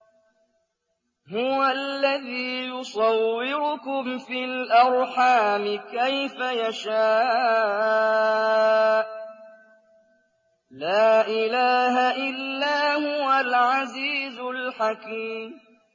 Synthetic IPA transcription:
hʊwalːaðiːjʊsˤɑwːɪɾʊkʊmfilʔɑɾˤħaːmɪkajfajaʃaː | laːʔɪlaːɦaʔɪlːaːhʊwalʕaziːzʊlħakiːm

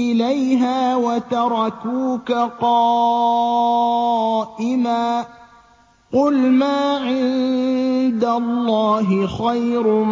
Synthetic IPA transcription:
ɪlajɦaːwat̪ɑɾˤɑkuːkaqɑː | ʔɪmaː | qʊlmaːʕɪn | d̪alːɑːɦɪxajɾ

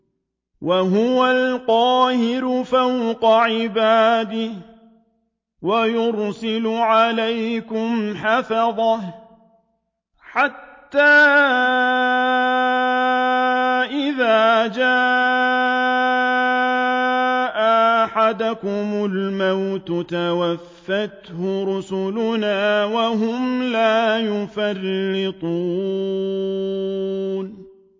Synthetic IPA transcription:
wʔaɦʊwalqɑːhɪɾʊfawqɑʕɪbaːd̪ɪh | wajʊɾsɪlʊʕalajkʊmħafɑðˤɑ | ħat̪ːaː | ʔɪðaːd͡ʒaːʔ | ʔaħad̪akʊmʊlmawt̪ʊt̪awafːat̪hʊɾʊsʊlʊnaːwaɦʊmlaːjʊfarːɪt̪ˤuː | n

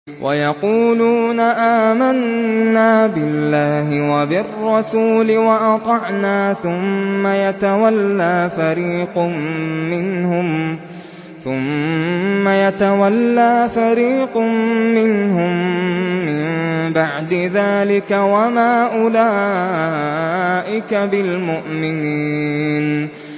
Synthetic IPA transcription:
wʔa̰jɑquːluːnaʔaːmanːaːbɪlːaːɦɪwabɪrːɑsuːlɪwaʔɑt̪ˤɑʕnaːθʊmːajat̪awalːaːfaɾiːqmːɪnhʊm | θʊmː | ajat̪awalːaːfaɾiːqːɪnɦʊmː | ɪmbaʕd̪ɪðaːlɪkawamaːʔʊlaː | ʔɪkabɪlmʊʔmɪniːn

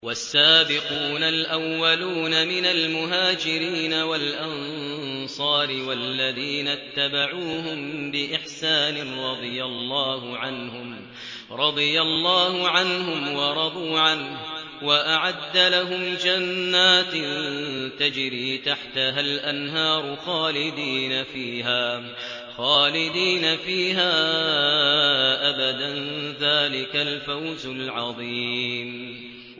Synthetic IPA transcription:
wasːaːbɪquːnalʔawːaluːnamɪnalmʊɦaːd͡ʒɪɾiːnawalʔɑn | sˤɑːɾɪwalːaðiːnat̪ːabaʕuːhʊmbɪʔɪħsaːnɪnɾˤɑd̪ˤɨjalˤːɑːhʊʕanhʊm | ɾˤɑd̪ˤɨjalˤːɑːhʊʕanhʊmwɑɾˤɑd̪ˤuːʕanh | waʔaʕad̪ːalaɦʊmd͡ʒanːaːt̪nt̪ad͡ʒɾiːt̪aħt̪aɦalʔanɦɑːɾˤʊxaːlɪd̪iːnafiːɦaː | xaːlɪd̪iːnafiːɦaː | ʔabad̪anðaːlɪkalfawzʊlʕɑðˤim

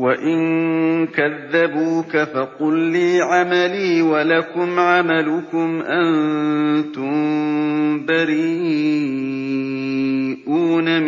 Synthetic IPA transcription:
waʔɪŋkaðːabuːkafɑqʊlːiːʕamaliːwalakʊmʕamalʊkʊmʔan | t̪ʊm | baɾiː | ʔuːnam

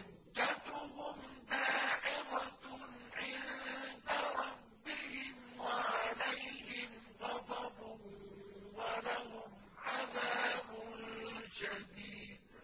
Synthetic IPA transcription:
ʔan | d͡ʒat̪ʊɦʊmd̪aːʕɪɾatʕɪnd̪aɾˤɑbːɪhɪmwaʕaalajhɪm | ɣɑd̪ˤɑbʊhʊmwalahʊm | ʕaðaːbʊnʃad̪iːd̪

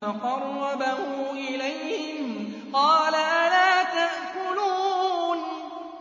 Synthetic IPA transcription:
aqɑrˤːɑbahʊːʔɪlajhhɪmqɑːlaʔalaːt̪aʔkʊluːn

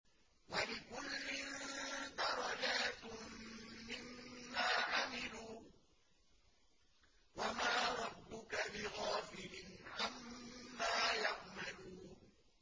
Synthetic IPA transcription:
walɪkʊlːɪd̪ɑɾˤɑd͡ʒaːt̪mːɪmːaːʕamɪluː | wamaːɾˤɑbːʊkabɪɣaːfɪlɪnʕamːaːjaʕmaluːn

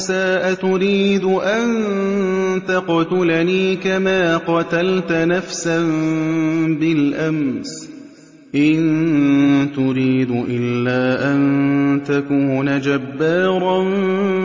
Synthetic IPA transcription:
saːʔat̪ʊɾiːd̪ʊʔann | t̪aqt̪ʊlaniːkamaːqɑt̪alt̪nafsan | bɪlʔams | ʔɪn | t̪ʊɾiːd̪ʊʔɪlːaːʔant̪akʊnad͡ʒabːaːɾˤɑn

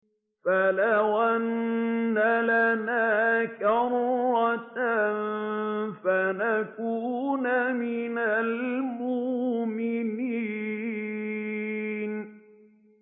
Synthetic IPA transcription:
falawʔanːalanaːkɑɾˤɑt̪n | fanakuːnamɪnalmʊʔmɪniː | n

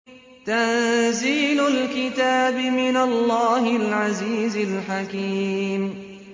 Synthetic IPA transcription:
t̪anziːlʊlkɪt̪aːbɪmɪnalːɑːhɪlʕaziːzɪlħakiːm

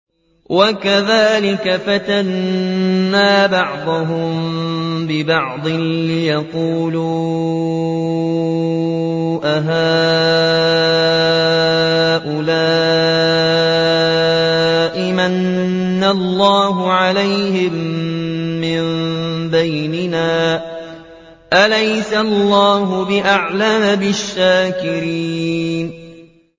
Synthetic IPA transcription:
wʔakaðaːlɪkafat̪anː | aːbɑʕd̪ˤʊɦʊmbɪbɑʕd̪ˤɨlɪjɑquːluː | ʔaɦaː | ʔʊlaː | ʔɪmanː | alˤːɑːɦʊʕalajhɪmː | ɪmbajnɪnaː | ʔalajsalˤːɑːɦʊbɪʔaʕlamabɪʃːaːkɪɾiːn

